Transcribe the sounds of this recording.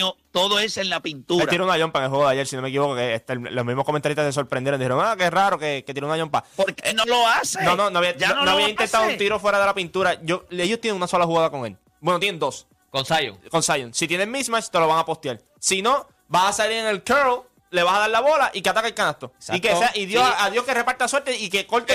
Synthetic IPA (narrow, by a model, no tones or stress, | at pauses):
ot̪oðoesenlapint̪uɾat̪iɾunaʎompaeŋelɦweɣoðajeɾsino̞mek̬iβokokeet̪elomizmoko̞mẽnt̪aɾit̪ases̬o̞ɾpɾe̞nd̪jeɾnd̪iheɾoŋakeraɾo̞keket̪ieɾunajompa̰poɾkenoloasenononoaβiannoaβiaint̪ent̪aðount̪iɾo̞fwe̞ɾaðe̞lapint̪uɾaʝoeʝost̪jeneŋunaso̞lahuɣaðako̞ŋe̞l | bwenot̪jenend̪o̞s | konsajo̰ŋko̞nsajoŋsit̪jenemismat͡ʃt̪e̞lo̞βaŋapo̞st̪jal | sino̞ | bahasaliɾeŋelkeɾl | le̞βahaðaɾlaβo̞laʔikeat̪akelkanast̪osaikeseaʔiðjosaðjo̞hkerepaɾt̪asweɾt̪eikekolt̪e